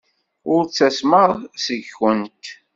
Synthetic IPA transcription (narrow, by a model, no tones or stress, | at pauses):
ʊɾt͡sːæsməʁsəʝxənt̪